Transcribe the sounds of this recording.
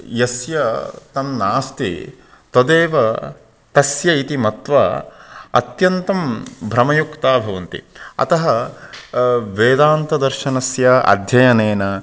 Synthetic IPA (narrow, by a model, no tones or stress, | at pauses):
jɐsjɐt̪ɐmnaːst̪ḭ | t̪od̪eːʋɐ | t̪ɐsjɐit̪imɐt̪ʋɐ | ɐ̰t̪jɐnt̪ɐmbʱɾɐmɐjukt̪aːbʱɐʋɐnt̪ḭɐ̰t̪ɐɦɐ | ʋeːd̪aːnt̪ɐd̪ɐɾʃɐnɐsjɐɐ̰d̪ʱjɐjɐneːnɐ